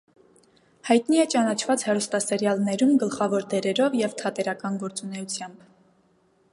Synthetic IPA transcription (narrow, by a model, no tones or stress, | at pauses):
hɑjt̪niɛt͡ʃɑnɑt͡ʃʰvɑt͡shɛɾust̪ɑsɛɾjɑlnɛɾumɡəlχɑvɔɾd̪ɛɾɛɾɔvjɛvt̪ʰɑt̪ɛɾɑkɑnɡɔɾt͡sunɛut͡sʰjɑmb